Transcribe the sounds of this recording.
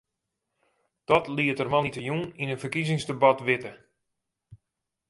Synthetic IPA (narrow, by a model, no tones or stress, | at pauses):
d̥ɔtliətərmanitəjuninənfərkizɪŋzdəbatʋɪtə